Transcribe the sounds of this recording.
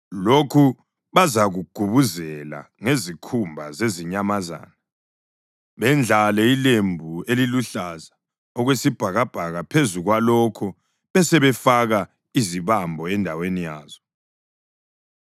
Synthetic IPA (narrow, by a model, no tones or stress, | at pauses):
lokʰu | βazaɣuɡ̥ʱuβuzɛla̰ŋezikʰumbʱazeziɲamaza̰ːna | βɛnd͡ɮʱalɛilembʱueliluɬaza | ɔɣwesib̥ʱaɣab̥ʱaɣapʰezuɣwalɔkʰɔ | βɛsɛβɛfaɣa | iziβambʱɔɛndʱawenijaːz̥ɔ